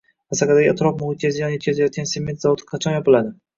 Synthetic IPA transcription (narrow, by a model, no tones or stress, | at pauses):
asakʲad̪aɡʲɪat̪ʰɾɒfmʊhɨt̪̚ʲʰazajɒnjet̪ʲkʲʰazajɒt̪̚kʲansemet̪zavɒt̪ʰɪ̥qʰɑt͡ʃʰɒnjɒpɪlad̪ɪ